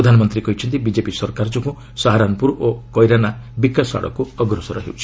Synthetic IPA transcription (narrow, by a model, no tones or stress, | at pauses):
ɾɔd̪ʱanɔmɔnt̪ɾikɔɦit͡ʃʰɔnt̪ibid͡ʒepisɔɾkaɾd͡ʒɔkũ | saɦaɾanɔpuɾokɔjɾanabikːasa̰ɽɔ̰kuɔɡɾɔsɔɾɔ̰ɦḭut͡ʃʰi̥